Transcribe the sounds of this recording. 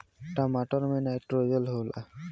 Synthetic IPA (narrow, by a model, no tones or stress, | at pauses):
ʈamaʈɔɾmenajʈɾod͡ʑolɦola̰